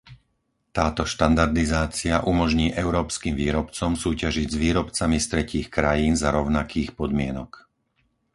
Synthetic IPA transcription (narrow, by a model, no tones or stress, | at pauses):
t̪aːt̪ɔʃt̪and̪aɾd̪izaːt͡siaʔumɔʒɲiːʔɛʊɾɔːpskiːmʋiːɾɔpt͡sɔmsuːcaʒiɟzʋiːɾɔpt͡samist̪ɾɛciːxkɾajiːnzaɾɔʊnakʰiːxpɔd̪mɪɛnɔk